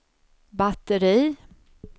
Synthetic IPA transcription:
bat̪əɾiː

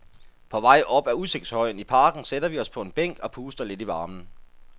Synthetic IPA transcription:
pʰɒ̽ʋɑ̈ɪ̰ʔɒ̽b̥æuse̝ɡ̥̚d̥shɒ̽ɪ̰n̩ipʰɑ̈ːɡ̥n̩seɾɐʋiɒ̽spʰɒ̽e̝nb̥eŋ̰ɡ̥ɒ̽pʰuːsd̥ɐle̝d̥iʋɑ̈ːmn̩

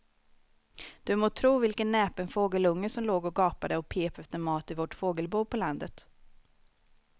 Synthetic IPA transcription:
d̪̥ɵmoːt̪ʰɾuːvɪlkənːɛːpɛnfoːɡəlɵŋːəsɔmloːɡɔɡɑːpad̪əɔpʰeːpɛft̪əɾmɑːt̪ɪvɔʈfoːɡəlbuːpʰɔland̪ət̪

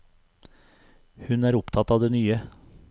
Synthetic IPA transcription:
hʉnæːɾʊpt̪ʰɑt̪ɑːʋd̪eːnyːə

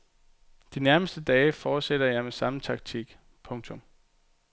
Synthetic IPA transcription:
d̥inæɐməsd̥əd̥ɛːɪfɒːd̥seɾ̥ɐjɑ̈ɪmesɑ̈m̩t͡sʰɑ̈ɡ̥̚t͡sʰiɡ̥ | pʰɔ̽ŋt͡sʰɔ̽m

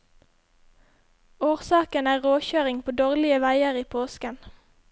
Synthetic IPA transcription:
oːʁsɑːkənæːʁoːçøːʁɪŋpʰoːd̪oːʁlɪəʋæɪəʁiːpʰoːskən

